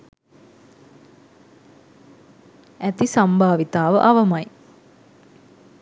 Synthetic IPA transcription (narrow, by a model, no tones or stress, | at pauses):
æt̪isɐmbʱaːʋit̪aːʋə̰ʔɐʋəmɐj